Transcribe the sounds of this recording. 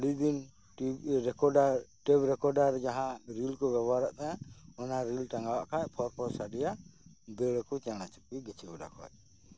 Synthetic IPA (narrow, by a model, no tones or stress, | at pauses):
lud̪in | ɛkɔɖaʈɛbɾɛkɔɾɖaɾd͡ʒaɦãɾilkɔbɛbaɾaʔt̪aaɔnaɾilʈaŋɡawaʔkʰajpʰɔɾpʰɔsaɖɛjabɛɽɛkut͡ʃañat͡ʃi̥pɡiɡɛt͡ʃʰibɔɖa̰kʰɔ̰j